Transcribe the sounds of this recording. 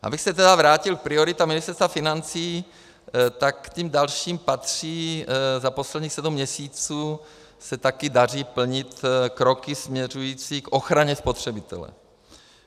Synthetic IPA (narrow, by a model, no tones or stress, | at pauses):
ʔa̰bɪxsɛt̪ɛdavɾaːcɪlpɾɪo̞ɾɪt̪amɪnɪst̪ɛɾst̪vafɪnant͡siː | t̪akːcimdalʃiːmpat̪r̝̥iːzapo̞slɛd̪ɲiːxsɛdumːɲɛsiːt͡suː | sɛt̪akɪdar̝iːpl̩ɲɪt̪kɾo̞kɪsmɲɛr̝ujiːt͡siːkʔo̞xɾaɲɛspo̞t̪r̝̥ɛbɪt̪ɛ̰lɛ̰